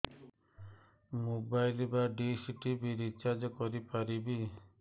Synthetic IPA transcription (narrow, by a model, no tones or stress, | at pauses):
mobajlibaɖisiʈibiɾit͡ʃad͡ʒɔkɔɾipaɾibi